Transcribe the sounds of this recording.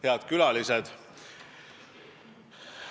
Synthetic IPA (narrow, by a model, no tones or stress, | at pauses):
heɑd̪̥kylɑlised̪̥